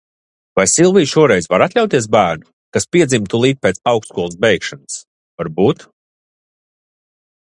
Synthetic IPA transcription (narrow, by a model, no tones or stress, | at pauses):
vajsilˠviːʃuɔɾɛjzvaɾat̪ʲlʲawt̪iɛs̬bæːɾnu | kaspiɛd̪zimt̪ulˠiːt̪̚pʲet̪sawkskuɔlˠsbɛjkʃanɨs | vaɾbuːt̪